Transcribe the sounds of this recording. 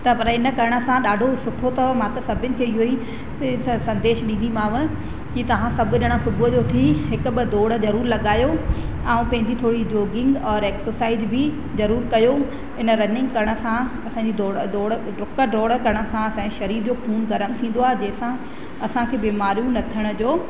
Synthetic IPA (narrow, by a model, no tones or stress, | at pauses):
t̪ɐpɐɾɪnə̆kɐɾəɽ̃ə̆sãɗaːɖʱosʊʈʰot̪ɐmãt̪ɐsɐbʱɪʊnɪ̆kʰeːɪɦoi | sɐ̃nd̪eːʃɗĩːn̆d̪imãːʋə | kit̪ɐʋ̤ãsɐbʱʊɗɪɽ̃əsʊbʊɦəd͡ʑot̪ʰiɦɪkbɪd̪oːɽəd͡ʑɐɾuːɾlɐɠaːjo | ãːũpɐ̃ɦɪɲd͡ʑit̪ʰoːɽid͡ʑoːɡɪ̃ŋɡɔːɾeːksəsaːɪzbɪ | zɐɾuːɾkɐjo | ɦɪnə̆ɾɐnɪ̃ŋɡkɐɾɽ̃ə̆sãɐsãːɲd͡ʑid̪oːɽd̪oːɽ | ɖʊkəɖɾoːɽkɐɾɽ̃ə̆sãɐsãːiʃɐɾiːɾd͡ʑoːpʰuːnɡɐɾəmt̪ʰĩːn̆d̪oaːɦed͡ʑɐ̃ːɦɪ̃sã | ɐsãkʰeːbiːmaːɾjũnɐt̪ʰijəɽ̃ə̆d͡ʑoː